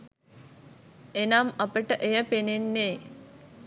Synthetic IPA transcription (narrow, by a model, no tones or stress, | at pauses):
enamɐpəʈəʔejəpenenːeː